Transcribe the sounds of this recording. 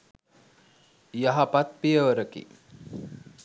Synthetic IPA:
jaɦapat̪̚pijəʋəɾəkḭ

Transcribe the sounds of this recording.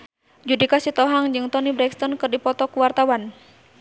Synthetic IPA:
d͡ʒudikasit̪ɔɦaŋd͡ʒɨŋt̪ɔnibɾɛkst̪ɔnkɨrdipɔt̪ɔkuwart̪awan

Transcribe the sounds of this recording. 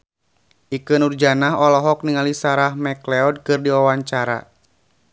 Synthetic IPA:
ʔikɨnurd͡ʒanaɦɔlɔɦɔk̚niŋalisaɾahmɛklɛɔd̚kɨrdiwawaɲt͡ʃaɾa̰

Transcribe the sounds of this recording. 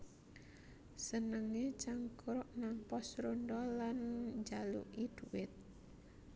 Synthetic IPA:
sənəŋet͡ʃaŋkɾʊʔnaŋpɔsɾonɖɔlanɲd͡ʒalṵʔid̪̥uwɪt̪̚

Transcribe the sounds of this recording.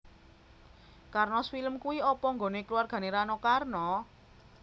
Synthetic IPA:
karnɔsfiləmkuwiɔpɔŋɡonekluwarɡ̥a̤neɾanɔkarnɔ

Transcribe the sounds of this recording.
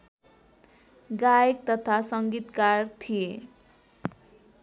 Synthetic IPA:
ɡajek̚t̪ʌt̪ʰasʌŋɡit̪kart̪ʰije

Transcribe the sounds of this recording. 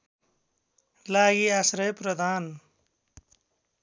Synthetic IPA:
laɡiasɾʌjprʌd̪ʱaːn

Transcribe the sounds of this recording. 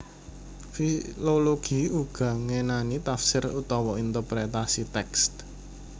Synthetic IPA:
filoloɡ̥i̤uɡ̥ä̤ŋenanit̪afsɪrut̪ɔwɔint̪ərpɾet̪asit̪ɛkst̪

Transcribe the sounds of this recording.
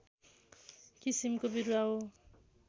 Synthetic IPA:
kisimkobiɾuao

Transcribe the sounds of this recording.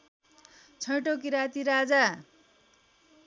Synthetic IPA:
t͡sʰʌjʈok̬iɾat̪iɾad͡za

